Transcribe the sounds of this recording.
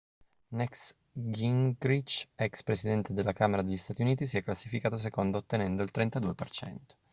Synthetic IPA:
nɛks | ɡiŋɡɾit͡ʃɛkspɾesid̪ɛnt̪ed̪elːakaːmeɾad̪eʎːist̪aːt̪iuniːt̪is̬iɛkːlasːifikaːt̪os̬ekond̪oːt̪ːenɛnd̪oilt̪ɾent̪ad̪uːepert͡ʃɛ̰nt̪o̥

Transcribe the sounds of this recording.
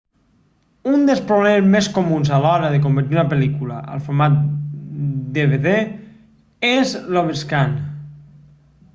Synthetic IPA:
und̪elˠspɾoβlɛmezmeskomunzalɔɾəðek̬ombeɾt̪iɾunapelikulaʔə̰lˠfoɾmat̪̚ | d̪eβeðe | ezloβeskan

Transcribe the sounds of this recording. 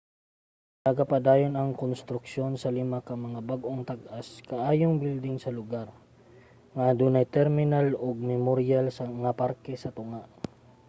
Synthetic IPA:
nɐɡapɐd̪aːjonɐŋkonst̪ɾʊk̚ʃo̞nsɐlɪmakɐŋmɐŋabaɡʔo̞ŋt̪ɐɡʔaskɐʔaːjoŋbild̪ɪŋsɐlʊɡaɾ | ŋaːd̪unɐjt̪ɛɾmɪnaloɡ̚mɛmoɾjalsɐɐŋapaɾkɛsɐt̪ʊŋaʔ

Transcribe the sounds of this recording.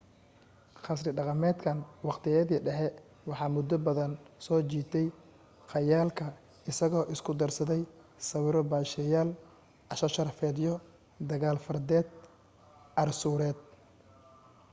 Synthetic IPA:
χɑsrɪɖɑqɑmɛːd̪kʰɐnwɑqt̪ʰɪjɐðiːɖɛħɛ | wɑħɑːmʊd̪ːɔbɐðɐnsɔːt͡ʃiːt̪ʰɛj | qɑjaːlkʰɐ | ɪsɐɣɔːʔɪskʰʊd̪ɐrsɐðɛj | sɐwɪɾɔbaːʃɛjaːl | ʔɐʃɐʃɐrfɛːd̪ijɔ | d̪ɐɣaːlfɐrd̪ɛːd̪̚ | ʔɐrsuːɾɛːd̪̚

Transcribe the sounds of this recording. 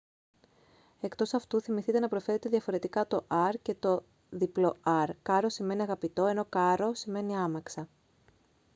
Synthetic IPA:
e̞kt̪o̞sɐft̪uθimiθit̪e̞nɐpɾofe̞ɾe̞t̪e̞ðʝɐfo̞ɾe̞t̪ikɐt̪o̞ʔɐɾce̞t̪o̞ | ðiplo̞ɐɾkɐɾo̞sime̞niɐɣɐpit̪o̞e̞no̞kɐɾo̞sime̞niɐmɐksɐ

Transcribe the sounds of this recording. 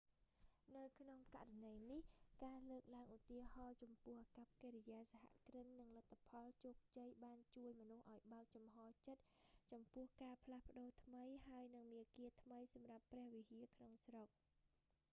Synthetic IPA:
nɨwkʰnoŋka̰ʔranəjnihkaːləːk̚laəŋʔut̪iəhɑːt͡ɕɑmpʊ̆əhʔkap̚keːɾijaːsaha̰ʔkrɨnːɨŋlət̪ʰːapʰɑlt͡ɕoːk̚t͡ɕəjɓaːnt͡ɕuəjmɔnuhʔaɔjɓaək̚t͡ɕɑmɦɑːt͡ɕət̪̚t͡ɕɑmpʊ̆əhkaːpʰlahpə̆ɗoːt̪ʰməjhaəjnɨŋmiəkiət̪ʰməjsɑmrapːrɛ̆əhʋihiəkʰnoŋsrok̚

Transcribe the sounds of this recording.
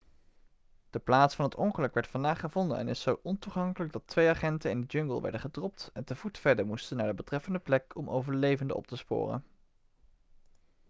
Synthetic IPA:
d̥əplaːtsfɑnətɔŋχəlɵkʋɛɹtfɑndaːχəvɔndə̰nɛ̰nɪsːowʔɔntuχɑŋkələɡ̚dɑtʋejaχɛntənɪndəd͡ʒɵŋɡəlˠʋɛ̰ɹdəχədrɔp̚tɛntəvutfɛɹdəɹmustənːaːɹdəbətrɛfəndəplɛkɔmʔo̰wvəɹlejvəndə̰ɔ̰p̚təspʊ̰ːrə̰n

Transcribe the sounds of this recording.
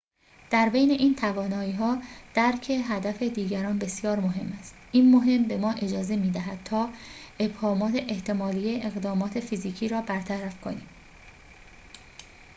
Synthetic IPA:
d̪̥æɾbe̞jne̞ʔiːnt̪ʰævɒːnɒːiːɦɒːd̪̥æɾcʰe̞ɦæd̪æfed̪iːɟæɾɒːnbe̞sjɒːɾmoɦe̞mːæst̪ʔiːnmoɦe̞mbe̞mɒːʔe̞d͡ʒɒːze̞miːd̪æɦæd̪̥̚t̪ʰɒːʔe̞bhɒːmɒːt̪ʰe̞ʔeht̪e̞mɒːlijeʔeɣd̪ɒːmɒːt̪ʰe̞fiziːcʰiːɾɒːbæɾt̪ʰæɾæfkʰo̞̰niːm

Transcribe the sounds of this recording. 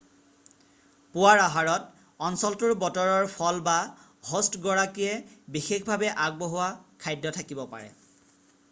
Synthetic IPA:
pʊwaɹaɦaɹɔt | ɔnsɔltʊɹbɔtɔɹɔɹpʰɔlba | ɦostɡɔɹakijɛbixekbʱabɛʔaɡ̚boɦʊwakʰajdːɔtʰakibɔpa̰ɹɛ̰

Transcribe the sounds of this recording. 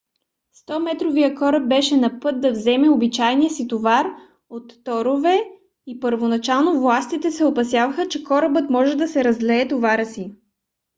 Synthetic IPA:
st̪ɔmɛt̪ɾovijəkɔɾəb̚bɛʃɛnɐpɤt̪̚d̪ɐvzɛmɛobit͡ʃajnijəsit̪ovaɾ | ot̪ːɔɾovɛ | ipəɾvonɐt͡ʃalˠnovlˠast̪it̪ɛsɛopɐs̬ʲjavəxət͡ʃɛkɔɾəbɤt̪mɔʒɛd̪ɐsɛɾɐzlɛːt̪ovaɾəsi

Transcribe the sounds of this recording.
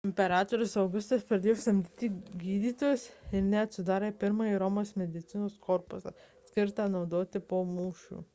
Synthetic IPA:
ɪmʲpʲɛɾɑːt̪oːɾʲʊsɐʊɡʊst̪ɐspɾɐd̪eːjosɐmʲd̪ʲɪt̪ʲiːɡʲiːd̪ʲiːt̪oːjɛsɪɾnʲɛɐt̪ʲsʲʊd̪ɑːɾepʲɪɾmɐiɾomoːsmʲɛd̪ʲɪt̪sʲɪnoːskʰɔɾpʊsɐ̰sʲkʲɪɾt̪ɑnɒʊd̪oːt̪ʲɪpoːmuːʃʲṵː

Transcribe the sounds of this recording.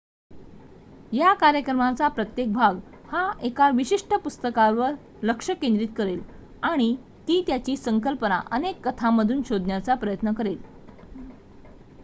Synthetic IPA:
jakaɾjəkɾəmat͡sapɾət̪jek̚bʱaɡ | haekaʋiɕiʂʈʰəpust̪əkaʋəɾ | ləkʂəkend̪ɾiːt̪̚kəɾel | aɽ̃i | t̪iːt̪jat͡ɕiːsəŋkəlpəna̰ʔənekːət̪ʰaməd̪ʱuːnɕod̪ʱnjat͡sapɾəjət̪nəkəɾel

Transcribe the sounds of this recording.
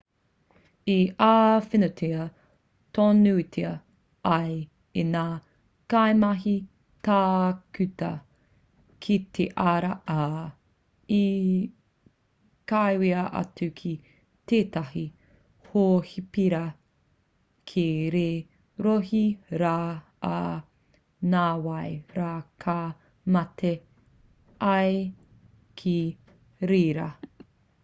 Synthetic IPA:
iaːfinotʰeɐ | tʰonutʰeɐ | ɐj | enaː | kajmɐɦi | taːkʉt̪ɐ | kʰit̪ʰeʔaɾɐʔa | i | kajwiɐʔɐ̰t͡sʉkʰi | teːtaɦi | hoːhipiɾɐ | kʰeɾeː | ɾohiɾa̰ː | naːwɐjɾaːkʰa | mɐtʰe | ʔɐj | kʰi | ɾeːɾɐ

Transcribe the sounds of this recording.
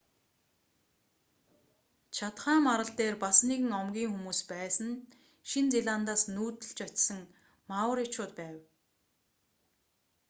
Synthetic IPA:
t͡ɕʰat̪χaːmaɾə̆ɬt̪eːrpasniɣɘ̆ŋɔmɡʲiːŋxumuːspæːsə̆n | ʃint͡siɮaːnt̪aːsnuːt̪ɘ̆ɬt͡ɕɔt͡ɕsə̆ŋ | mawə̆ɾjat͡ɕʊːt̪pæːw

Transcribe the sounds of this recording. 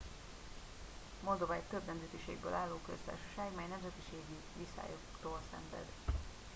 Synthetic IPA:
mo̞ld̪ovaːjt̪øbnɛmzɛt̪iʃḛːɡbø̰ːlʔaːlːoːkø̰st̪a̰ːrʃoʃaːɡmɛjnɛmzɛt̪iʃeːɡi | visa̰ːjo̰ | t̪oːlsɛ̰ɱvɛ̰d̪

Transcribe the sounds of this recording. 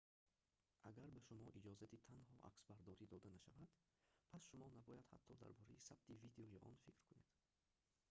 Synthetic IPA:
ʔaɡaɾbaʃumɔʔid͡ʒɔzat̪ʰit̪ʰanhɔʔa̰ksbaɾd̪ɔɾid̪ɔd̪anaʃavad̪̥ | pʰasʃumɔnabɔjad̪ha̰t̪ʰːɔd̪a̰ɾbɔɾɛjisab̚t̪ʰivid̪eɔjiʔɔ̰nfikɾkʰune̞̰d̪̥

